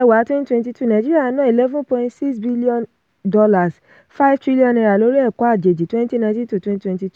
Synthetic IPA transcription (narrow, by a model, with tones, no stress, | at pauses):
ɛ˧wa˨˦twɛ̃˦ni˦twɛ̃˧nti˧tu˦˨nã˨d͡ʒi˦ɾi˦a˦˧˦nã˨˦i˨lɛ˦vũ˦pɔ̃˧ĩ˦ntsi˦ksbi˦li˦ɔ̃˧n | dɔ˧la˨s | fa˦i˦vtɾi˦li˦ɔ̃˧nɛ˧ɾa˨lo˦ɾi˦ɛ˦˨kɔ˨˦a˦˨d͡ʒe˨d͡ʒi˨twɛ̃˦ni˦ti˦nã˧tĩ˦tu˨twɛ̃˦ntwɛ̃˧nti˧tu˦